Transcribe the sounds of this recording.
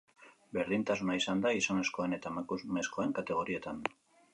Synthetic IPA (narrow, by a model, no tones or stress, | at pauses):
be̞ɾðint̪asunaisand̪aisane̞sko̞ene̞t̪amakuzmesko̞e̞ŋkat̪e̞ɣ̞o̞ɾie̞t̪an